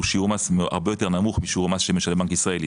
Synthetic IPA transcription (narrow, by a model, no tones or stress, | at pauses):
uʃiuʁmasma̰ʁbe̞jo̞t̪eʁnamuχmiʃiuʁmasʃemeʃalbaŋkisʁael